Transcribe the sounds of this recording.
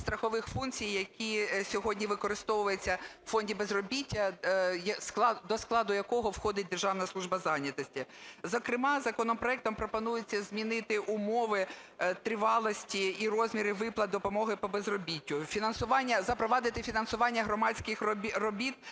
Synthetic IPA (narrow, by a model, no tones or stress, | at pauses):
st̪ɾɐxɔʋɪxfunkt͡sʲijːɐkʲisʲɔɦɔdʲnʲiʋɪkɔɾɪst̪ɔʋʊʋɐjet͡sʲːɐwfɔnʲdʲibezrɔbʲitʲːɐjɐsk̪ˠɑd̪ɔsklˠɑd̪ʊjɐkɔɦɔwxɔd̪ɪt̚ʲd̪erʒɑʋnɐslˠuʒbɐzɑnʲɐt̪ɔsʲtʲizɐkɾɪmɑzɐkɔnɔmpɾɔɛk̚t̪ɔmpɾɔpɔnujet͡sʲːɐzʲmʲinɪt̪ɪʔʊmɔʋɪt̪ɾɪʋɑlˠɔsʲtʲiirɔzʲmʲiɾɪʋɪplˠɐd̪ɔpɔmɔɦɪpɔbezrɔbʲitʲːʊfʲinɐnsʊʋɑnʲːɐzɐpɾɔʋɑd̪ɪt̪ɪfʲinɐnsʊʋɑnʲːɐɦɾɔmɑt͡sʲkɪxʲrɔbʲit̪